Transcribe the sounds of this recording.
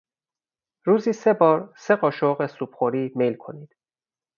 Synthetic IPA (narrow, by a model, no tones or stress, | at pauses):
ɾuːziːse̞bɒːɾseɢɒːʃoɣesuːbχoɾiːmelkʰo̞̰niːd̪̥